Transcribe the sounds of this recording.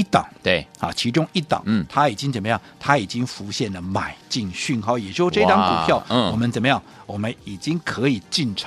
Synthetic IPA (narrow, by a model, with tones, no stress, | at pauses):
i˥˩t̪ɑ̰˨˩˦ŋ˥˩ɑ̰˨˧˩t͡ɕʰi˧˥ʈ͡ʂʊ˥ŋi˥˩t̪ɑ̰˨˩˦ŋt̪ʰa˥i˨˩t͡ɕi˥ŋt͡sə˨˩nmə˦jɑ˥˩ŋt̪ʰa˥i˨˩t͡ɕi˥ŋfu˧˥ɕjɛ˥˩nlə˩ma˨˩ɪt͡ɕi˥˧ŋɕy˥˩nxɑ˥˧˩jɛ˨˩ʂɻ̩˥˧˩ʈ͡ʂɤ˥˧i˧t̪ɑ˥ŋku˨pʰjɑ˥˩ʊwɔ˨˩mə˦nt͡sə˨˩nmə˦jɑ˥˩ŋwɔ˨˩mə˦ni˨˩t͡ɕi˥ŋkʰɤ˧˦˥i˨˩t͡ɕi˥˩nʈ͡ʂʰ